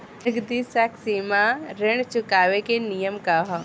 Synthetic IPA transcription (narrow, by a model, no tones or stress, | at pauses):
ɐɡd̪isaksimaɾɪɳ̃t͡ʃʊkaːʋekenijəmkaɦɔ